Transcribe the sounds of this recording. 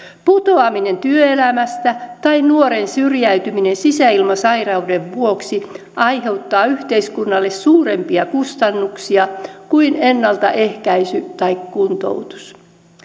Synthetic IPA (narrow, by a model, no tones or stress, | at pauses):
put̪oɑmine̞nt̪yøelæmæst̪æt̪ɑinnuoɾensyrjæyt̪yminensisæilmɑsɑirɑude̞ʋʋuoksi | ʔɑjɦe̞wt̪ːɑːyht̪eiskunːɑlːessuːrempiɑkust̪ɑnːuksiɑkuinenːɑlt̪ɑ̰ʔe̞hkæisyt̪ɑikkunt̪o̰wt̪u̥s